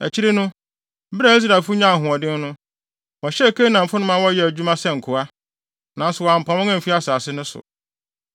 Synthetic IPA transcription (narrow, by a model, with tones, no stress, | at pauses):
æ̰˨t͡ɕʰi˦ɾe˦nʊ̃˦ | bɪ˦ɾa˨i˦s̬ɾa˨fʊ˦ɲ˦ã˦˨ɦʊ̃˨ɔ˨dɪ̃˦n˦nʊ̃˦ | wɔ˨ɕɛ˦˨kʰe˦nã˨m̩˨fʊ˦nʊ̃˦mã˦wɔ˦jɛ˨æ˨d͡ʑᶣu˦mã˦sɛ˦ŋ̩˨kʰʊ˨a˦ | nã˨n̩˦sʊ˨wɔ˨a˨m̩˨pʰã˨wɔ̃˦ŋã˦m̩˨fi˦a˦saː˨sɪ˦nʊ̃˦sʊ̰˨